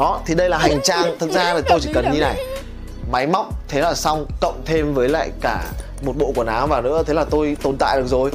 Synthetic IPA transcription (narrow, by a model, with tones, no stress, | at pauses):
ɗɔ˨˦t̪ʰi˨˩ɗə˧jlaː˨˩ɦa˨˩jŋ̟t͡ɕaː˧˩ŋt̪ʰɨ˨˩t̚zaː˧laː˨˩t̪o˧jt͡ɕi˧˩kə˨˩nɲi˧na˨˩j | ma˨˦jma˦˥wk͡p̚t̪ʰe˨˦laː˨˩sa˧wŋ͡mkə̰˧˨wŋ͡mt̪ʰe˧mvəː˨˦jla̰ː˧˨jkaː˧˩ | mo˨˩t̚ɓo̰˧˨ku˧˩ənaː˨˦wvaː˨˩nɨ̰˧˥ət̪ʰe˨˦laː˨˩t̪o˧jt̪o˨˩nt̪a̰ː˧˨jɗɨ˨˩ək̚zo˨˩j